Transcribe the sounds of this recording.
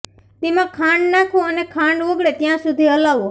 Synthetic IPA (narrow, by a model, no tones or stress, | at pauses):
t̪emãkʰãɳɖnakʰõənekʰãɳɖʋʊɡɽet̪jãsud̪ʱiɦəlaʋõ